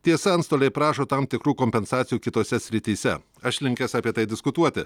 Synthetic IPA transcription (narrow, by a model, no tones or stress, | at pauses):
t̪ʲiɛsɐɐnst̪oːlʲɛɪpɾɑːʃoːt̪ɑmt̪ʲɪkɾuːkoːmʲpʲɛnsɑːt̪sʲɪjuːkʲɪt̪oːsʲɛsʲɾʲɪt̪ʲiːsʲɛ̰ | ɐʃlʲɪŋʲkʲɛsɑːpʲiɛt̪ɐɪd̪ʲɪskʊt̪uɔt̪ʲɪ